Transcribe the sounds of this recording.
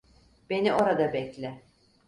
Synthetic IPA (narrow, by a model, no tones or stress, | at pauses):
b̥e̞nio̞ɾad̪abɛclʲɪ